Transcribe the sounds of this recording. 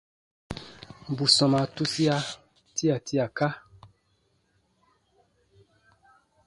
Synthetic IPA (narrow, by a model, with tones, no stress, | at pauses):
m̩˨bu˨sɔ̃˨ma˨tu˦si˦a˦ | tʰi˦a˨ti˦a˨ka˦